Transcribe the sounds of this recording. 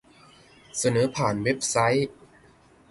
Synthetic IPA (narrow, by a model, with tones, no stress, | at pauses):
sa˧nɤː˩˦pʰaː˨˩nwe˦˥p̚sa˦˥j